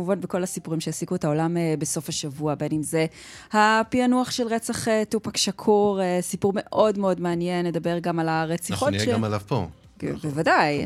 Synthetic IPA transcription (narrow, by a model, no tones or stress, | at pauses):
muvanbeko̞lasipuʁimʃejasikuetao̞lamebeso̞faʃavuabe̞nimze̞hapianuaχʃelʁet͡saχetupakʃakʰuʁesipuʁme̞ʔo̞dmeo̞dmeanjenled̪abe̞ʁɡamalaʁet͡siχomalavpo̰ | bevadaj